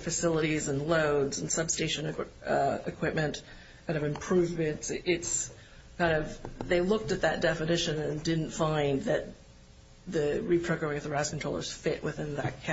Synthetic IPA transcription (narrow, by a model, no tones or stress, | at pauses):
fɨsɪlˠəɾizə̃nloʊdz̃n̩sʌb̥steɪʃɨ̃n | ɪkʰw̥ɪp̚mɨ̃nt | kʰãɪ̃ndʌvɨ̃mpʰɹ̥ʉvmɨ̃ntsʔɪts | kʰãɪ̃ndʌvðeɪlʊk̚tɨt̪̚ðɨt̚d̥ɛfɨnɪʃɨ̃nɨ̃ndɪdⁿn̩tfãɪ̃nðɨt̪̚ | ðɨɹipʰɹ̥oʊkɛɹɪ̃ŋʌvðɨɹaɪskn̩tɹ̥oʊlˠə̰˞z̥fɪʔwʔɨθɪ̃nðɨ̰t̚kʰæ